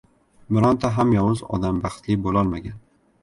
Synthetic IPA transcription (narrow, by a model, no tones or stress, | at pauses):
bɪɾɒnt̪ʰaɦamjɒwʊzɒ̰d̪ambɑχt̪lɪbolˠɒlˠmaɡʲan